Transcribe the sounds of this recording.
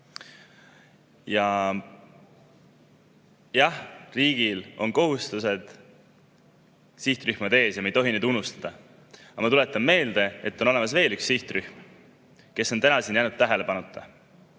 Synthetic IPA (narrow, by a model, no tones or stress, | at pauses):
jɑ | jɑhriːɡ̥ilo̞nko̞ɦust̪use̞d̪̥ | siht̪ryhmɑd̪e̞ːsjɑmejt̪o̞ɦined̪unust̪ɑd̪̥ɑ | ɑmɑt̪ule̞t̪ːˑɑmːme̞ːld̪̥e̞et̪ːˑo̞no̞le̞mɑsve̞ːlyksiht̪ryhm | ke̞sːo̞nt̪ænɑsinjæjnut̪ːæɦe̞le̞pɑnut̪ʰːˑɑ